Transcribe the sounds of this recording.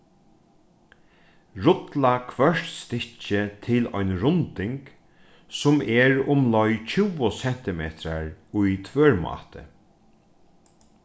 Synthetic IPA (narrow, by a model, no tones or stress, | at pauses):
ɾʊt̪lakʰvœʂʈst̪ɪt͡ʃɪt̪ʰɪlɔjnɾʊnt̪ɪŋk | sʊmɛɹʊmlɔjt͡ʃʰɪwʊsɛn̥t̪ɪmḛːt̪ɾaɹʊjt̪ʰvøːɹmɑ̰ːt̪ə̰